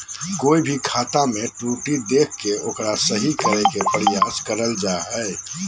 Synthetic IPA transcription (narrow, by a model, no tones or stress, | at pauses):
koːibʱikʰaːt̪amẽʈɾuːʈid̪eːkʰːeʔoːkɾasəɦikəɾekepɾɪjaːskəɾəld͡ʒaɦɛe